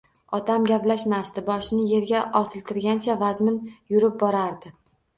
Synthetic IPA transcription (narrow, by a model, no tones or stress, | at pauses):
ɒt̪ʰamɡʲaplaʃmast̪ɪbɒʃnɪje̞ɾɡʲaʔɒsɪlt̪ʰɪɾɡʲant͡ʃʰavazmɪnjʊɾɪp̚bɒɾaɾd̪ɪ